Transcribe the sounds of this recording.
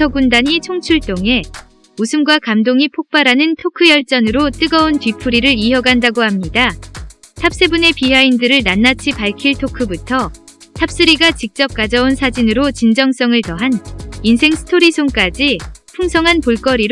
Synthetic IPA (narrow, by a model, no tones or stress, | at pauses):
ʌɡundaɲit͡ɕʰoŋt͡ɕʰuɭt͈oŋe̞ | usʰɯmɡwakamdoŋipʰok̚p͈aɾanɯntʰokʰɯjʌɭt͡ɕ͈ʌnɯɾot͈ɯɡʌontɥipʰuɾiɾɯɭiɦjʌɡandaɡohamɲida | tʰap̚s͈ebune̞piɦaindɯɾɯɭnanːat͡ɕʰipaɭkʰiɭtʰokʰɯbutʰʌtʰap̚s͈ɯɾiɡat͡ɕik̚t͡ɕ͈ʌp̚k͈ad͡ʑʌunsʰad͡ʑinɯɾot͡ɕind͡ʑʌŋs͈ʌŋɯɭtʌɦaninsʰe̞ŋsʰɯ̥tʰoɾisʰoŋk͈ad͡ʑipʰuŋsʰʌŋɦanpoɭk͈ʌɾiɾ